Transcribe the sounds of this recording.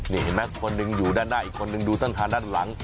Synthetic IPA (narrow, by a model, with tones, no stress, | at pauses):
ne˨˩˨he˨˦naː˧˦kʰɔ˧nːɨ˧ŋjuː˨˩˦daː˧˩nːaː˧˨ʔi˨˩kʰːɔ˧nɨ˧ŋdu˧t̪ə˧˨nɦaː˨˧ndaː˧˥˨nla˨˦ŋ